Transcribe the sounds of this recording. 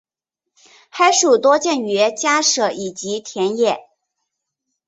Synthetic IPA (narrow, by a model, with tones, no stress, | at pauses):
kʰa˥ɪʂu˨˩t̪wɔ˥t͡ɕjɛ˥˩nɥɛ˧˥t͡ɕja˥ʂɤ˨˩i˨˩t͡ɕi˧˥t̪ʰjɛ˧˥njɛ˥˩˦